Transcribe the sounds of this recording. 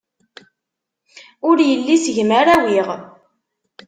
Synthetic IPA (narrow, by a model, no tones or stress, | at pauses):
ʊɾjəlːisəʝməɾæwiʁ